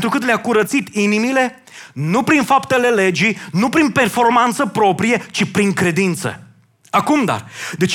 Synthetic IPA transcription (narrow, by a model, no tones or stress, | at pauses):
nt̪ɾukɨt̪leakuɾət̪sit̪inimile̞ | nupɾinfapt̪e̞le̞le̞d͡ʒinupɾinpe̞rfo̞rmant̪səpɾo̞pɾijet͡ʃipɾiŋkɾe̞d̪int̪sə̰ | akumd̪a̰rd̪e̞t͡ʃ